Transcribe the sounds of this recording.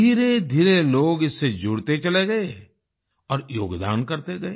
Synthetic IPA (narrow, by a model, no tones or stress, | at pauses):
iːɾed̪ʱiːɾeloːɡɪsːed͡ʒʱʊɽt̪et͡ʃɐleɡɐe | ɔːɾjoːɡd̪a̰ːnkɐɾt̪eɡɐeː